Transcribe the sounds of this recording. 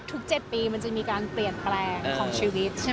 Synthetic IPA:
t̪ʰu˦˥k̚t͡ɕe˨˩t̪̚piː˧ma˧nt͡ɕa˨˩miː˧kaː˧npli˨˩ənplɛː˧ŋkʰɔː˩˦ŋt͡ɕʰiː˧wi˦˥t̪̚ʰ

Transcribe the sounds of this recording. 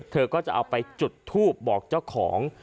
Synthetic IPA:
t̪ʰɤː˧kɔː˥˩t͡ɕa˨˩ʔa˧wpa˧jt͡ɕu˨˩t̪ʰːuː˥˩p̚bɔː˨˩k̚t͡ɕa˥˩wkʰɔː˩˦ŋ

